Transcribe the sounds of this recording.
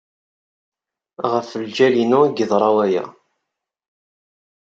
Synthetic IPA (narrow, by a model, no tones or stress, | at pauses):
ʁəfəld͡ʒælinʊɡəðˤɾˤɑwæjæ̰